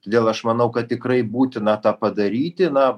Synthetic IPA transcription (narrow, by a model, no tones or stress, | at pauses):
t̪oːd̪ʲeːlˠɐʃmɐnɐʊkɐt̪tʲɪkrɐɪbuːt̪ʲɪnɐt̪ɑːpɐd̪ɐɾʲiːt̪ʲɪnɐ